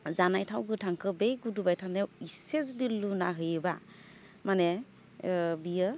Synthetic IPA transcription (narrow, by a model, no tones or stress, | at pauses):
zanajtʰawɡɯtʰaŋkʰɯbejɡudubajtʰanɛisezdilːuna̰ɦɯjɯba̰ | manɛ | bijɯ